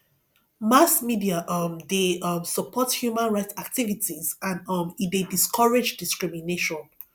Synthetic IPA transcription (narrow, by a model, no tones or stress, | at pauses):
masmidiaʔʌmdeʌmsəpʰɔthjumãnɹaɪtsak̚tivitʰizãnʌmidediskʰɔɹed͡ʒdiskɹimineʃɔ̃n